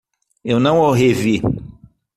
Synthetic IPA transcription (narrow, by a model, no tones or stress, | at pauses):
ewnãɔɦevi